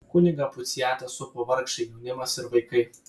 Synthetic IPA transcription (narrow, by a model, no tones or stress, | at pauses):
kʊnʲɪɡɐpʊt̪sʲjæːt̪ɐsʊpɐʋɐɾkʃɐɪjɛʊnʲɪmɐsɪɾʋɐɪkɐɪ